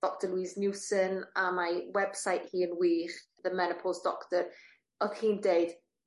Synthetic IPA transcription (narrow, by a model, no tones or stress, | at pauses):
d̥ɔk̚təlwiːznjuːsənamawɛb̥sajʔhiːənwiːχ | ðəmɛnəpʰɔlˠsd̥ɔktəɾ | ɔhiːndeɨd̥